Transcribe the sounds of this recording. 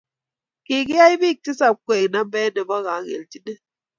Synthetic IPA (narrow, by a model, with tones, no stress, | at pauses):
ki˨ɡi˦a˦i˦bi˦˨k̚ti˦sa˨p̚kʷe˨na˦mbɛ˦nə˨ba˦ɣa˨˦ɣḛ˨lti˦nə˦